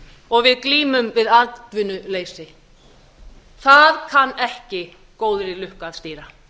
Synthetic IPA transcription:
ɔɣvɪðkliːmʏmvɪðat̪vʏnʏleːjsɪ | θaðkʰanːɛhcɪ | koːwðɾɪlʏhkaðst̪iːɾa

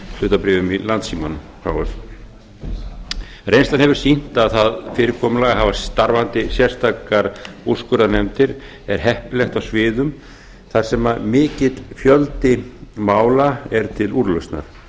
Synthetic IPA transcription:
lʏːt̪apɾɪːvʏmilant̪siːman | fɾa̰wvʏθ | rejnst̪anɦɛvʏɾ̥sin̥t̪aðθaðfɪːɾɪɾkʰɔːmʏlaɣaɦaːvast̪aɾvant̪ɪsjɛr̥st̪ʰaːkaɾu̥skʏɾanɛmt̪ɪɾ | ɛɾ̥ɦɛhpɪlɛxt̪awsvɪːðʏm | θaɾ̥sɛmaðmɪːcɪt̪fjœlt̪ɪmaːwlaɛɾt̪ʰɪluɾlœst̪na̰ɾ̥

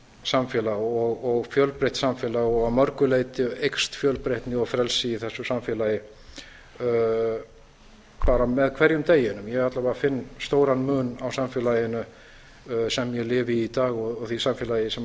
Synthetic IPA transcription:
samfjɛːlaɔɣɔɣfjœlpɾeht̪samfɛːlaɔɣamœɾkʏleːjt̪ɪejkst̪fjœlpɾeht̪nɪɔɣfɾɛlsɪiθɛsːʏsamfɛlajɪ | paːɾamɛðkʰvɛɾjʏmt̪eːjɪnʏmjɛɛat̪lapaːɾafɪnːst̪oːwɾanmʏːnawsamfɪːlaːjɪnʏ | sɛmːjɛlɪːvɪit̪aːɣɔɔɣθisamfjɛlajɪsɛm

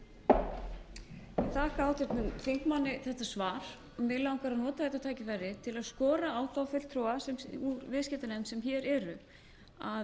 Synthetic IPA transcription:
ɪt̪ʰaːhkaaːwt̪ɪt̪nʏmθiŋ̥kmanːɪθɛht̪asvaːɾ̥ | ɔmɪlawŋkaɾaðnɔːt̪aθɛht̪at̪ʰaːjcɪfɛrɪt̪ʰɪlaðskɔːɾaawθawfʏl̥t̪ʰɾɔwasɛmuɾvɪðscɛt̪anɛmsɛmçɛɾɛɾʏ | a

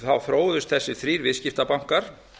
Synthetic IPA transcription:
θavfɾoːwðʏst̪θɛsːɪθɾiːɾvɪscɪft̪apam̥kaɾ̥

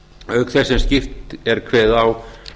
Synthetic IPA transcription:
œɥkθɛsːɛmscɪft̪ɛɾ̥kʰvɛːðaw

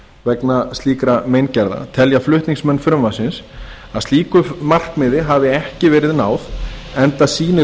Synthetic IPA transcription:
vɛknast̪liːkɾamejncɛɾða̰t̪ʰɛljaflʏht̪niŋksmɛnːfɾʏmvasɪns | aðsiːkʏmar̥kmɪðɪɦaːvɪɛhcɪvɛːɾɪðnaːwðɛnt̪asiːnɪ

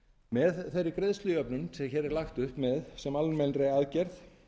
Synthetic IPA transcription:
mɛðθejɾːʏkɾeðst̪lʏœpnʏnsɛçɛːɾɛɾlaxt̪ʏhpmɛðsɛmalmɛnɾeaːðcɛɾθ

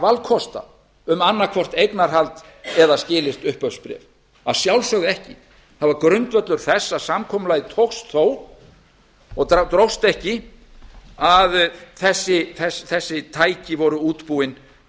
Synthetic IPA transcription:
valkʰɔst̪a̰ | ʏmanːakʰvɔr̥t̪ejknaɾ̥ɦalt̪ | ɛðascɪːlɪst̪ʏhpœfspɾɛ̰v | a̰ðsjawlsœɣðɪɛhcɪ | θaðvaɾkɾœɥnt̪vœt̪lʏɾ̥θɛsːasamkʰɔːmʏlajðɪt̪ʰowxst̪θoːw | ɔɣt̪ɾowst̪ɛhcɪ | aðθɛsːɪθɛsθɛsːɪt̪ʰaːjcɪvɔɾʏuːt̪puɪn

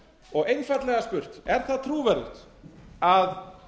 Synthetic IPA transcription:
ɔɣejnfat̪lɛɣaspʏr̥t̪ɛɾ̥θaðt̪ʰɾuːvɛɾɪ̰t̪ | að

